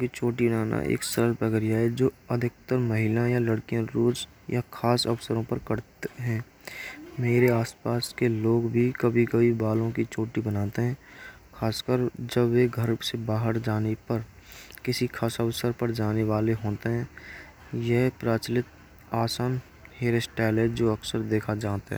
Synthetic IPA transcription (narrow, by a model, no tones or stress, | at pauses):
kit͡ʃoːʈibənaːna̰ʔḛːksəɾəlpəɡəɾijaɛd͡ʒoːəd̪ʱɪk̚t̪əɾməɦɪlãjaləɽkijãɾoːd͡ʒ | jakʰaːsəʋsəɾõpəɾkəɾt̪ɦɛ̃ː | meːɾeaːspaːskeloːɡbʱikəbʱikɐibaːlõkit͡ʃoːʈibənaːt̪eɦɛ̃ː | xʰaːskəɾd͡ʒəbʋeɡʱəɾsebaːɦəɾd͡ʒaːnepəɾkɪsikʰaːsəʋsəɾpəɾd͡ʒaːneʋaːleɦoːt̪eɦɛ̃ː | jɛɦpɾaːt͡ʃlɪt̪ | aːsaːn | heːɾesʈɛːleːd͡ʒoːɐksəɾd̪eːkʰad͡ʒaːt̪aɦɛ̰ː